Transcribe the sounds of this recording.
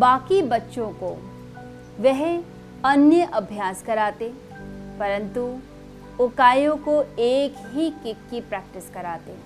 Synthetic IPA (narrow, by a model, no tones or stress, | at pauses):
baːkibɐtːʃõko | ʋɛɦ | ɐnjəʔɐbʱjaːskɐɾaːt̪e | pɐɾə̃nt̪u | ʊkaːjõkoeːkɦikɪkːipɾɛːk̚ʈɪskɐɾaːt̪eː